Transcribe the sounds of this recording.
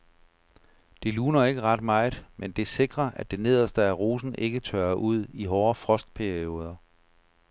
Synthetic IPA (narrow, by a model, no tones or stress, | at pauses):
d̥e̝luːnɐe̝ɡ̥əʁɑ̈d̥mɑ̈ɪðˠmend̥e̝se̝ɡ̥ʁɐʔæd̥e̝ne̝ð̞̰ˠɐsd̥əæʁoːsn̩ʔe̝ɡ̥ət͡sʰøɐʔuð̞̰ˠiɦɒːɐfʁɒ̽sd̥̚pʰæɐio̝ːð̞ˠɐ